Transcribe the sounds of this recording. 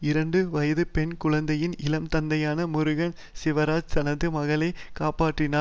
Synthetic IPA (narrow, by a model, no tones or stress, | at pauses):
ɪɾɐɳɖɯʋɐjɐðɯpɛɳkʊɻɐnd̪ɐjɪnɪlɐmt̪ɐnd̪ɐjaːnɐmʊɾɯɣɐɳ | sɪʋɐɾaːd͡ʒsɐnɐðɯmɐɣɐɭɐɪkaːpaːʈrɪnaː